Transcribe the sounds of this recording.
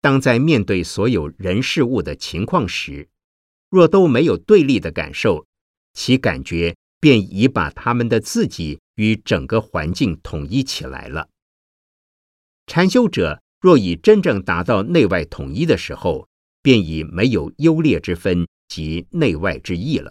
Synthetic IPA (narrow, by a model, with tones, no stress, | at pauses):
t̪ɑ˥ŋt͡sa˥˧ɪmjɛ˥˧nt̪we˥˩ɪswɔ˧˥jo˨˩ʊɻə˧˥nʂɻ̩˥˧u˥˩d̪ə˩t͡ɕʰi˧˥ŋkʰwɑ˥˩ŋʂɻ̩˧˥ | ɻwɔ˥˩t̪o˥ʊme˧˥ɪjo˨˩ʊt̪we˥˧ɪli˥˩d̪ə˩ka̰˨˩nʂo˥˩ʊ | t͡ɕʰi˧˥ka̰˨˩nt͡ɕɥɛ˧˥ | pjɛ˥˩ni˧˥pa̰˨˩t̪ʰa˥mə˨nd̪ə˩t͡sɹ̩˥˩t͡ɕi˨˩ | y˧˥ʈ͡ʂə˨˩ŋkə˦xwa̰˧˥nt͡ɕi˥˩ŋt̪ʰʊ˨˩ŋi˥˩t͡ɕʰḭ˨˩la̰˧˥ɪlə̰˧ | ʈ͡ʂʰa˧˥nɕjo˥ʊʈ͡ʂɤ̰˨˩˦ | ɻwɔ˥˩i˨˩ʈ͡ʂə˥nʈ͡ʂɤ˥˩ŋt̪a˧˥t̪ɑ˥˧ʊne˥˧ɪwa˥˩ɪt̪ʰʊ˨˩ŋi˥˩d̪ə˨ʂɻ̩˧˥xo˧ʊ | pjɛ˥˩ni˨˩me˧˥ɪjo˨˩ʊjo˥ʊljɛ˥˩ʈ͡ʂɻ̩˥fə˥n | t͡ɕi˧˥ne˥˧ɪwa˥˩ɪʈ͡ʂɻ̩˥i˥˩lə̰˩